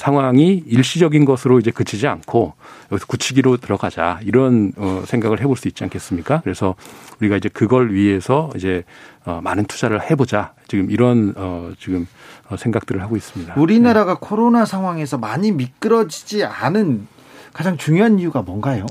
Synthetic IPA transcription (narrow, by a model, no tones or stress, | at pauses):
sʰaŋɦwaŋiiɭɕ͈id͡ʑʌɡinɡʌsʰɯɾoid͡ʑe̞kɯt͡ɕʰid͡ʑiankʰojʌɡisʰʌkut͡ɕʰiɡiɾotɯɾʌɡad͡ʑa̰iɾʌnʌsʰeŋɡaɡɯɭɦe̞boɭs͈uit̚t͡ɕ͈iankʰe̞s͈ɯmɲik͈akɯɾe̞sʰʌuɾiɡaid͡ʑe̞kɯɡʌɭɥie̞sʰʌid͡ʑe̞ʌmanɯntʰu̥d͡ʑaɾɯɭhe̞bod͡ʑat͡ɕiɡɯmiɾʌnʌt͡ɕiɡɯmʌsʰe̞ŋɡak̚t͈ɯɾɯɭhaɡois͈ɯmɲidauɾinaɾaɡakʰoɾonasʰaŋɦwaŋe̞sʰʌmaɲimik͈ɯɾʌd͡ʑid͡ʑianɯn | kad͡ʑaŋt͡ɕuŋjoɦanijuɡamwʌnɡajo